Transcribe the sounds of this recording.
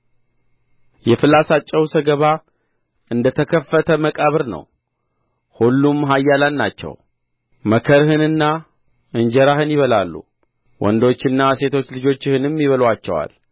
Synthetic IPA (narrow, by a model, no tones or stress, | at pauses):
jɛfɨlasat͡ʃʼːɛwsəɡəβa | ɨnd̪ət̪ʰəkʰəfːət̪ʰəməkʼaβɨɾnə̰w | hulːumɦajːalannat͡ʃːɛ̰w | məkʰəɾhɨnɨnːa | ɨnd͡ʒɛɾahɨnjɪβəlalːṵ | wʔɔ̰nd̪o̞t͡ʃːɨnːase̞t̪ʰo̞t͡ʃːlɨd͡ʒo̞t͡ʃːhɨnɨmːiβəlwat͡ʃːɛwa̰l